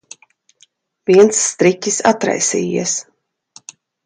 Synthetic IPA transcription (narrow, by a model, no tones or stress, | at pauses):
viɛnt̪sːt̪ɾicʲisat̪ɾa̰jsḭːjḭɛs